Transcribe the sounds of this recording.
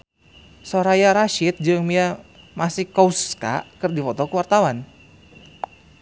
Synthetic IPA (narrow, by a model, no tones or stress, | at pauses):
soɾajaɾaʃɪt̪̚d͡ʒɨŋmia | masɪhkouska̰kɨrdifɔt̪ɔkuwart̪awan